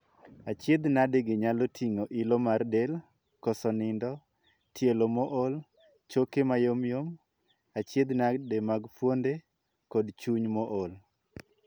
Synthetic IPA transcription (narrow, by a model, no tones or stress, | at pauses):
at͡ʃjed̪nadeɡɪɲalotʰiŋoʔɪlɔmardel | kɔsɔnɪndɔ | tjelomɔʔol | t͡ʃokemajomjom | at͡ʃed̪nademaɡpwonde | kɔdt͡ʃuɲmɔʔol